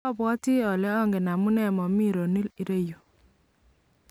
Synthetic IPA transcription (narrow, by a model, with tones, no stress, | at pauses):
ɔ˦bwɔ˦ti˦ɔ˨lɛ˦ɔ˦ŋɡe˨na˨mu˦nɛ˦˨mɔ˨mi˦ɾo˨ni˦li˨˦ɾe˦jo˨